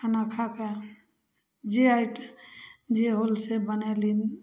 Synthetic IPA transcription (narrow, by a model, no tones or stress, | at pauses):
ənakʰake | d͡ʒeajʈ | d͡ʒeɦolsebənɛlin